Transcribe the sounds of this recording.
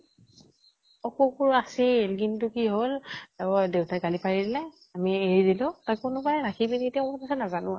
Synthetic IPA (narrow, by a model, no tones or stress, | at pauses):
ɔkɔkɔɹaselk̬intʊkiɦol | dewtakalipaɹidilɛ | amieɹidilʊ̃takʊnʊkalɛɹakʰibinetiaɔpasanazanʊ̃